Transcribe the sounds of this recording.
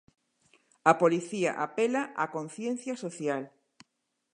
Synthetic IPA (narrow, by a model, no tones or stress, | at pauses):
apoliθia̰ʔapelaʔakon̟θjenθjasoθjal